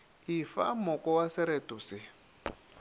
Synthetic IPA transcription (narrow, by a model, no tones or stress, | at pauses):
ifa̰mɔkɔwasɛɾɛtusɪ